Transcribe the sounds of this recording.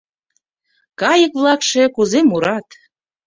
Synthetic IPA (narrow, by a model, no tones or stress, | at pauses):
kɑjəkβlˠɑkʃekuzemuɾɑt̪